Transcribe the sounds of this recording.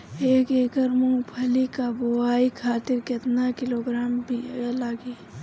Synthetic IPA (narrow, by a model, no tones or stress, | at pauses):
eːkeːɡəɾmũːpʰɐlikaboaːikʰaːt̪ɪɾkɪt̪nakɪloːɡɾaːmbʱilaːɡiː